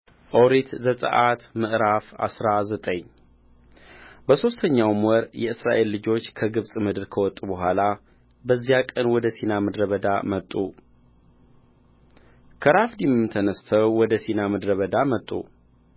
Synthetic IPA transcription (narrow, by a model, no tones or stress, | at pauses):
ʔowɾet̪zət̪ʼə̰ʔat̪mɨʔɾafa̰sɾazət̪ʼəɲː | bəso̞st̪ʰəɲːawmwɔɾjɛɨsɾa̰ʔe̞lːɨd͡ʒo̞t͡ʃːkʰəɡɨβsʼmɨd̪ɨɾkʰəwɔt̪ʼːubəɦʷala | bəzːijakʼənwɔd̪əsinamɨd̪ɾəβəd̪amət̪ʼːu | kʰəɾafd̪imɨmt̪ʰənəst̪ʰəwwɔd̪əsinamɨd̪ɾəβəd̪amət̪ʼːṵ